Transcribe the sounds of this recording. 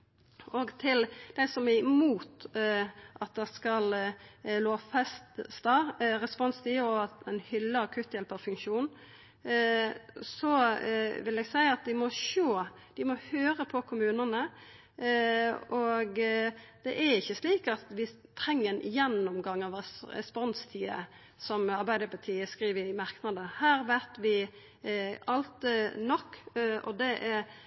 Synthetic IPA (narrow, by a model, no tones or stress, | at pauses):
ɔɡt̪ʰɪld̪̥æɪsɔmæmuːt̪ | ʔɑt̪̚d̪ɛskɑlloːfɛst̪st̪ɑɾɛspɔnst̪iɔɑt̪ɛnhʏlːəɑkʰʉt̪jɛlpɑʋfʉŋʃuːn | sɔʋɪlɛɡsæɪəɑt̪̚d̪ɪmɔʃoː | d̪̥ɪmɔhøːɾəpʰɔkʰʊmʉːnənə | ɔɡd̪̥ɛʔæɾɪçːəsliːkɑt̪ʋɪt̪ʰɾɛŋːəɾɛnʔɪjɛnːɔmɡɑŋːɑʋɾɛɛ̰spɔnst̪ʰiːə̰ | sɔmɑɾbæɪd̪əpɑt̪ʰiːəskʁiːʋəɪmɑʁknɑd̪əhæːɾʋæt̪ʋɪ | ɑlt̪nɔkːɔ̰d̪ɛʔæɾ